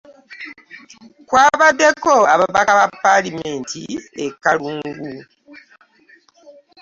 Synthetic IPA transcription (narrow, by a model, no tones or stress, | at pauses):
kwaːβadːe̞koaβaβakaβapːalimeːntʰḭekːaluːŋŋɡu